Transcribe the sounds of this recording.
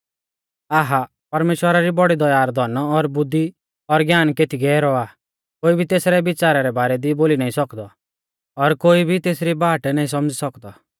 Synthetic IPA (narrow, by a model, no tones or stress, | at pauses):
aːɦa | pɐɾmeːʃwəɾaɾibɔɽid̪ɔjaːɾd̪ʱɔnɔːɾbʊd̪ːi | ɔɾɡjaːnket̪ʰiɡɛːɛɾɔaː | koːibʱit̪eːsɾɛbɪt͡ʃaːɾaɾɛbaːɾɛd̪iboːlinaːĩsɔkd̪ɔ | ɔɾkoːibʱit̪eːsɾibaːʈnaːĩs̬ɔmd͡ʒisɔkd̪ɔ